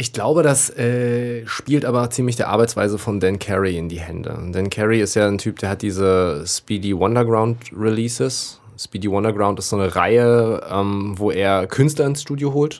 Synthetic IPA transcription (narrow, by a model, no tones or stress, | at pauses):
ʔɪçɡ̥laʊbədasʔɛːʃpiːltʔaːbɐt͡siːmlɪçd̥eːɐʔa̰ɐbaɪt͡ssv̥a̰ɪzəfɔndɛnkʰɛʁiɪndiːɦɛ̰ndə̰d̥ɛnkʰɛʁiɪstjaːntʰyːp̚d̥eːɐhat̚d̥iːzəspiːdiwɔndɐɡʁaʊntʁiliːsɪs | spiːdiwɔndɐɡʁaʊ̃ntɪstz̥oːnəʁa̰ɪəʔɛːmvoːʔeːɐkʰʏnstlɐɪnsʃtuːdjoɦoːlt